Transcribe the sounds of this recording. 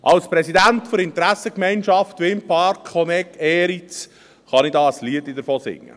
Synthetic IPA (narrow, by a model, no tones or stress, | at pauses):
ʔɑlspɾɛsidæntfʊɾɪntɾæsəkmɛɪnʃɑftʋɪmpʰɑɾkχɔmɛkʰɛːɾit͡s | χɑnidɑːəsliədidəɾfoːsɪ̰ŋːə̰